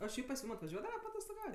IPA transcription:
oː ʃʲɛɪp pɐs ˈjuːm ɐtʋɐˈʒʲuɔdɐʋɐ pɐɐtoːstoːˈɡɐʊtʲ

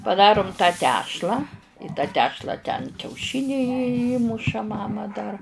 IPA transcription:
pɐˈdɑːrʊm tɑː ˈtʲæːʃlˠɑː iː tɑː ˈtʲæːʃlˠɐ tʲɛn kʲɛʊˈʃʲɪnʲɛɪ jɪ ˈiːmʊʃɐ ˈmɑːmɐ dɐr

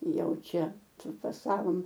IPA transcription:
ˈjɛʊ ˈt͡ʃʲɛ pʲrʲɪfɐˈsɑːʋoːm

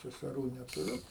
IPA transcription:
sʲɛsʲɛˈruː nʲɛtʊˈrʲʊ

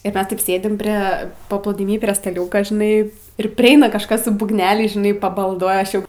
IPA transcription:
ɪr ˈmʲɛs tɐɪp ˈsʲeːdʲɪm pʲrʲeː pɐplˠuːdʲɪˈmʲiː pʲrʲiɛ stɐˈlʲuːkɐ ʒʲɪˈnɐɪ ɪr pʲrʲɪˈɛɪnɐ kɐʃˈkɐs sʊ buːɡˈnʲæːlʲɛɪs ʒʲɪˈnɐɪ pɐbɐlˠˈduɔjɛ ˈɐʃ ˈjɛʊ

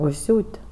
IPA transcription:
ʊʃʲˈsʲuːtʲ

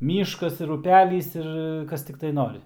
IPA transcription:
ˈmʲiːʃkɐs ɪr ʊˈpʲælʲiːs ɪr ˈkɐs tʲɪkˈtɐɪ ˈnoːrʲɪ

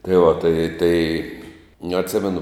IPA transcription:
tɐɪ ʋɐ tɐɪ tɐɪ nʊ ɐtʲˈsʲɪmʲɛnʊ

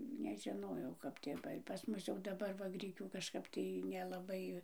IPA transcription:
nʲɛʒʲɪˈnoːjɛʊ kɐp tʲeːˈʋɐɪ pɐs ˈmʊs jɛʊ dɐˈbɐr ʋɐ ˈɡrʲɪkʲuː kɐʃˈkɐp tɐɪ nʲɛlˠɐˈbɐɪ

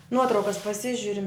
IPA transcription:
ˈnuɔtrɐʊkɐs pɐˈsʲɪʒʲʊrʲɪm

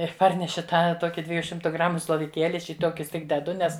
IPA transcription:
ɪr ˈpɐrʲnʲɛʃʲɪ ˈtɑː ˈtoːkʲɪ ˈdʲʋʲæːjʊ ˈʃʲɪmtʊ ˈɡrɑːmʊ slˠoːʋʲɪˈkʲeːlʲɪ ˈɐʃ iː ˈtoːkʲʊs ˈtʲɪk dʲɛˈdʊ ˈnʲɛs

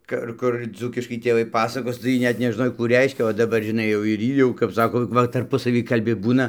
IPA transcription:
ˈkʊr ˈkʊr ˈd͡zuːkʲɪʃkɐɪ tʲeːˈʋɐɪ ˈpɑːsɐkoːs tɐɪ ˈjiː ˈnʲɛt nʲɛʒˈnoːj ˈkuː ˈrʲɛɪʃʲkʲɛ oː dɐˈbɐr ʒʲɪˈnɐɪ jɛʊ ɪr ˈiː jɛʊ kɐp ˈsɑːkoː ˈʋɐ tɐrˈpʊsɐʋʲiː kɐlʲˈbʲɪ ˈbuːnɐ

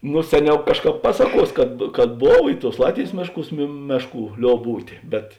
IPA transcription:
noː ˈsʲæːˌnʲɛʊ ˈkɑːʃˌkɑːp ˈpɑːsɐˌkuɔs kɐt kɐt ˈboːw ɪ tuɔs ˈlˠɑːtʲʋʲeːjs ˈmʲeːʃˌkuːs mʲeː ˈmʲæːʃˌkuː ˈlʲoːp ˈbuːtʲeː bʲɛt

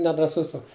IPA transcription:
nʲɛdrɐˈsʊs ˈtoːks

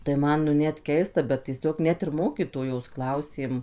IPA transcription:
tɐɪ ˈmɐn nʊ ˈnʲɛt ˈkʲɛɪstɐ bʲɛt tʲiɛˈsʲoːk ˈnʲɛt ɪr ˈmoːkʲiːtoːjoːs ˈklˠɐʊsʲeːm

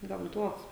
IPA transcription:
ɡɐmˈtuɔs

